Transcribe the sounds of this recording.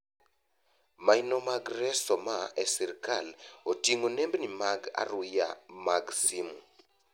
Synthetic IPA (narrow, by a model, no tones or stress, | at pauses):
mainomaɡɾɛsɔmaɛsiɾkalotiŋonɛmbnimaɡa̰ɾʊja̰maɡsimu